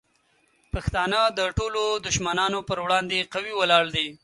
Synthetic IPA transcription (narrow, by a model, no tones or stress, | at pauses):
paxt̪ɑnəd̪əʈolod̪ʊʃmanɑnopəɾwɽɑnd̪eqawiwəlɑɽd̪i